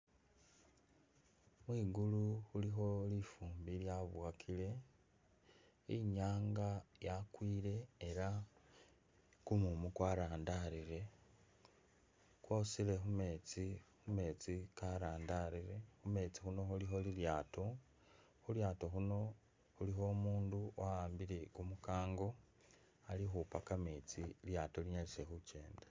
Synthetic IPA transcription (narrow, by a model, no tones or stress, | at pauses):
mwiːɡuluxulixo̞lifuːmbiljaβwakʰile̞ | iɲaːŋɡajakwiːɾe̞ːɾa | kumumukwaɾaːndaɾiɾe̞ | kwo̞ːsile̞xume̞t͡sixume̞ːt͡sikaɾaːndaɾiɾe̞xume̞t͡si̥xuno̞xulixo̞liljaːto̞ | xuljaːto̞xuno̞ | xuliɦo̞muːnduaaːmbiɾe̞kumukaːŋɡo̞ | alixupakame̞t͡siljaːtoliɲalise̞xuce̞ːndḁ